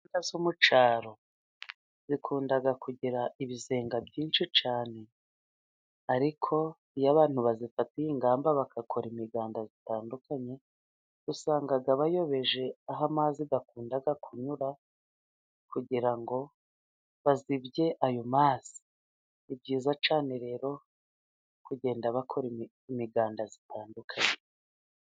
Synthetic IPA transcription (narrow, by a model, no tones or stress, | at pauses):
ntazumut͡ʃaːɾo̞ | z̥ikʰuːndaɡakuɟiɾaʔiβize̞ːŋɡabɟiːnt͡ʃit͡ʃaːne̞ | aɾikʰo̞ | ijaβaːn̥huβazifatijiŋɡaːmbaβakʰakʰoɾimiɡaːndazitaːndukaɲe̞ | usaːŋɡaɡaβajo̞βe̞ʒe̞aɦamaːziɡakuːndaɡakʰuɲuɾa | kuɟiɾaŋɡo̞ | βazibɟe̞ʔajo̞maːz̥i̥ː | bɟiːzat͡ʃaːne̞ɾe̞ːɾo̞ | kuɟe̞ːndaβakʰo̞ɾi | imiɡaːndazitʰaːndukʰaɲe̞